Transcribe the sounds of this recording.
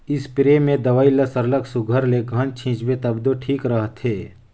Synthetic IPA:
ɪspɾemẽd̪ɐʋaːilɐsəɾləksʊɡʱəɾlekɐnt͡ʃʰĩːt͡ʃbet̪ɐbd̪oʈʰiːkɾəɦət̪ɦeː

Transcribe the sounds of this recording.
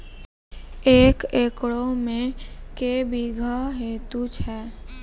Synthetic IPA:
eːkeːkɽomẽkebiɡʱaɦeːt̪ut͡ʃʰɛː

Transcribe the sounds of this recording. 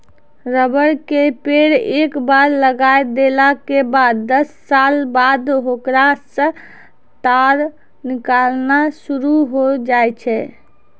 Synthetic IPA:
ɾəbəɽkepeɽekbaɾləɡajd̪elakebad̪ːəsːalbad̪ɦokɾasə̃ | t̪aɾ | nikalnasuɾuɦod͡ʒajt͡ʃʰɛ

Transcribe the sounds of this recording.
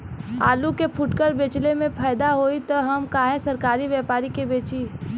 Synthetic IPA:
aːlukepʰʊʈkəɾbeːt͡ʃlemẽpʰaːjd̪aɦoːit̪ɔɦɐmkaːɦẽsɐɾkaːɾiʋɛːpaːɾikebeːt͡ʃiː

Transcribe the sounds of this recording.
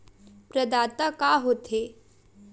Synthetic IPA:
pɾɐd̪aːt̪akaɦot̪ɦe

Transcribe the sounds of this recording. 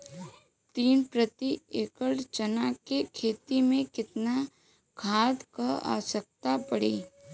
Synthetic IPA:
t̪iːnpɾət̪ieːkət͡ʃənakekʰeːt̪imẽkɪt̪na | kʰaːd̪kəa̰ːsək̚t̪apəɽḛː

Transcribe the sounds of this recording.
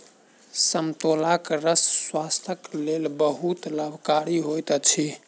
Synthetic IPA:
səmt̪olakɾəsːwast̪ʰəklelbəɦut̪ləbʱkaɾiɦojt̪t͡ʃʰi

